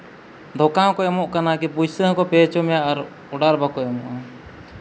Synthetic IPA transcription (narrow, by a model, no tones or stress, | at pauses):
d̪ʱɔkaw̃kɔɛmɔʔkanakipud͡ʒsəɦkɔpɛt͡ʃɔmɛjaʔaɾ | ɔɖaɾbakɔɛmɔʔa